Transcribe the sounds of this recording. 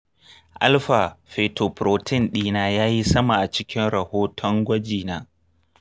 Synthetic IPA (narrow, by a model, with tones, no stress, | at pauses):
ʔa̰˦lɸa˨ɸeː˨toː˨pɾoː˨tʰɪ˦nɗiː˦naː˦jaː˦ji˦sɐ˦ma˨ʔa˨t͡ʃɪ˦kʲɪ˦nɽɐ˨hoː˦tʰɔ˦ŋɡʷɐ˦d͡ʒiː˨naː˦